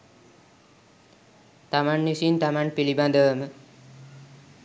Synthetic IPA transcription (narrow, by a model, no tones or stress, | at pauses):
t̪amanːisint̪amanpiliband̪əʋəmə